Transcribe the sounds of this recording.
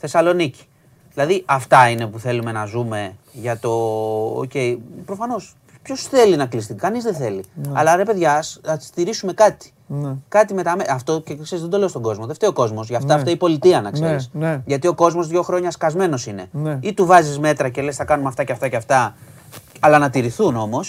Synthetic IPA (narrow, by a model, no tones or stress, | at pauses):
θe̞sɐlo̞nici̥ | ðilɐðiʔɐft̪ɐine̞puθe̞lume̞nɐzume̞ʝɐt̪o̞o̰ce̞ipɾo̞fɐno̞s | pço̞sθe̞linɐklist̪ikɐnizðeθe̞liɐ̰lɐɾe̞pe̞ðʝɐsnɐt̪i̥st̪iɾisume̞kɐt̪i̥ | nkɐt̪ime̞t̪ɐmeɐft̪o̞cekseɾizðed̪o̞le̞st̪o̞ɡo̞zmo̞ðe̞ft̪eoko̞zmo̞sʝɐft̪ɐɐft̪ɐipo̞lit̪iɐnɐkseɾisʝɐt̪io̞ko̞zmo̞zðʝo̞xɾo̞ɲɐskɐzme̞no̞sine̞nit̪uvɐzizme̞t̪ɾɐce̞le̞sθɐkɐnumeɐft̪ɐceft̪ɐceɐft̪ɐ | ɐlɐnɐt̪iɾiθuno̞mo̞s